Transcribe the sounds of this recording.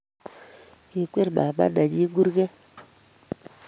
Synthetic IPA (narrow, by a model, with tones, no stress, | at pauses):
ki˨kʷe˦ɾɓa˨ɓa̰˦na˨d͡ʒi˦ɡu˦ɾɡe˦